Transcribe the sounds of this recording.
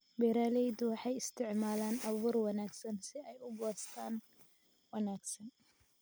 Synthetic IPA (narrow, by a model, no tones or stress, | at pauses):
bɛɾaːlɛjd̪ʊwɑħɑjɪst̪ʰɪʕmaːlaːnɐβuːrwɑnaːɡsɐnsɪɛjʊbɔːst̪ʰaːn | wɐnaːɡsɐn